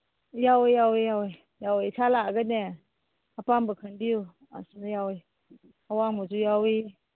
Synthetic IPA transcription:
jawijawijawi | jawisʰalaɡənɛ | apambəkʰəndiu | a̰sunajawi | awaŋmɔzujawi

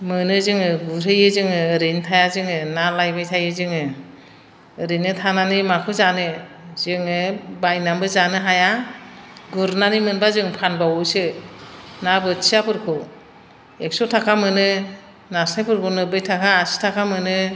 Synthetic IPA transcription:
mɯnɯzɯŋɯɡuɾʰɯjɯzɯŋɯɾijntʰajazɯŋɯnalajbajtʰajɯzɯŋɯ | ɾinɯtʰananimakʰɯzanɯzɯŋɯbajnambɯzanɯɦaja | ɡuɾnanimɯnbazɯŋpʰanbawusɯ | nabɯsʰiapʰɯɾkʰɔ | ek̚sɔtʰakʰamɯnɯ | nasajpʰɯɾkʰunɯbɯjtʰakʰaːsi̥tʰakʰamɯnɯ

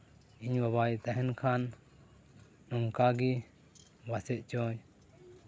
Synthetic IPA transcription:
iɲwaβajt̪aɦɛnkʰan | ɔŋkaɡi | basɛt̪̚t͡ʃɔ̃j

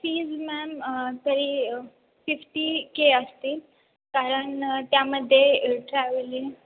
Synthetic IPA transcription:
fiːd͡zmɛmt̪əɾiː | fifʈikeəst̪iːl | kaɾəɳt̪jaməd̪ʱːjeʈɾɛʋəle

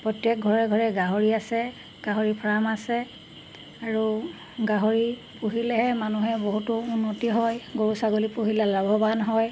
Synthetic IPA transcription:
pɹɔtjɛk̚ɡʱɔɹɛɡʱɔɹɛɡaɦoɹiasɛ | ɡ̥aɦoɹipʰɹamasɛ | aɹu | ɡaɦoɹi | puɦilɛɦɛmanuɦɛboɦutʊunːotiɦɔjɡoɹusaɡolipuɦilalabʱɔbanɦɔj

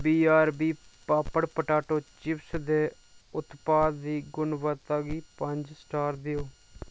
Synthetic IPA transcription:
biːaːɾbiːpaːpəɽpəʈaːʈoːt͡ʃɪpsd̪eː | ʊt̪paːd̪ːiːɡʊnʋət̪aːɡiːpəɲd͡ʒsʈaːɾd̪ɪjoː

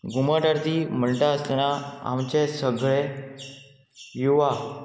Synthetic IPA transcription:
ɡʱuməʈaɾt̪iməɳʈaəst̪naa̰mt͡ɕesəɡʱɭe | juʋa

